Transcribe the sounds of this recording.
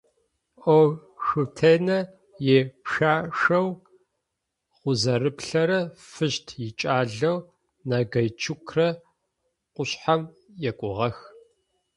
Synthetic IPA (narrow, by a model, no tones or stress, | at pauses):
ʔow | ʃɨtʰeːnɐ | jeːpʃaːʂɐw | χʷʊzɐrɨpɬɐɾɐfɨɕtʰjɪt͡ʃʼaːɮɐw | naɡɐjt͡ʃʰʊkʰrɐ | qʷʊɕħam | jɛkʷʼʊʁɐx